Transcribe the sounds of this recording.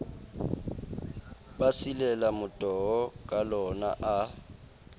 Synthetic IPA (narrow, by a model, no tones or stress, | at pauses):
basilɛlamʊtʼɔɔkʼalɔna̰ʔa